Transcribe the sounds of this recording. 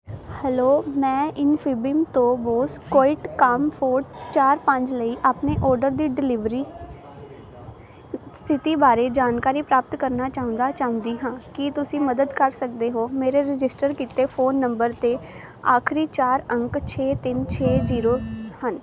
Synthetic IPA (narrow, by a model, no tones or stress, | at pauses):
hɛːloːmɛ̃ːɪnpʰɪbɪmt̪õːboːskoːɪʈkəmpʰoːɾt͡ʃaːɾpəɲd͡ʒləiːʔaːpneːʔɔːɾɖəɾd̪iːɖɪlɪʋɾiː | st̪ʰɪt̪iːbaːɾeːd͡ʒaːnkaːɾiːpɾaːp̚t̪kəɾnaːt͡ʃaːɦʊ̃nd̪aːt͡ʃaːɦʊ̃nd̪iːɦãːkɪt̪ʊsĩːməd̪əd̪kəɾsək̚d̪eːɦoːmeːɾeːɾɪd͡ʒɪsʈəɾkiːt̪eːpʰoːnːəmbəɾt̪eː | aːkʰɾiːt͡ʃaːɾəŋkt͡ʃʰeːt̪ɪnt͡ʃʰeːziːɾoːhən